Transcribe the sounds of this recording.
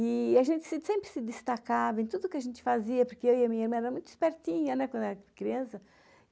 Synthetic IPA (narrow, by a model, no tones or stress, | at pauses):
ɪaʒẽnt̪ɪ̥sɪsẽmpɾɪsɪd̪ɪst̪akavɐẽnt̪ud̪ʊʊkɪɐʒẽnt͡ʃ̪ɪ̥faziɐpoɾkeewiɐmĩɲɐiɾmɐ̃ɛɾɐmũj̃t̪ʊi̥spɛɾt̪ĩɲɐnɛkwɐ̃d̪ɛɾɐkɾiɐ̃sɐ